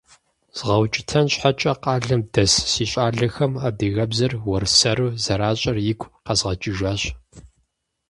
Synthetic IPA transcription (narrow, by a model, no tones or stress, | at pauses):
z̥ʁɐwt͡ʃʼɪtʰɐnɕħat͡ʃʼɐqɑːɮɐmdɐssiːɕʼaːɮɐxɐmaːdɨɣɐbzɐrwɔrsɐɾuzɐɾaːɕʼɐrjɪkʷʰʼqɐzʁɐt͡ʃʼɪʒaːɕ